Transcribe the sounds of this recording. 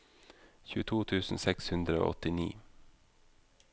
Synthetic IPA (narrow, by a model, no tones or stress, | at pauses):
çʉːt̪ʰuːt̪ʰʉːsn̩sɛkshʉnd̪ɾəo̰ːɔt̪ɪnḭː